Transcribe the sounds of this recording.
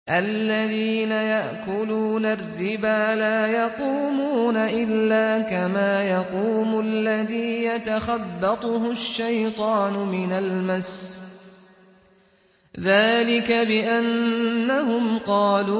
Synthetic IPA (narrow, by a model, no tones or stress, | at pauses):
ʔalːaðiːnajaʔkʊluːnarːɪbaːlaːjɑquːmuːnaʔɪlːaːkamaːjɑquːmʊlːaðiːjat̪axɑbːɑt̪ˤʊɦʊʃːajt̪ˤɑːnʊmɪnalmas | ðaːlɪkabɪʔanːaɦʊmqɑːluː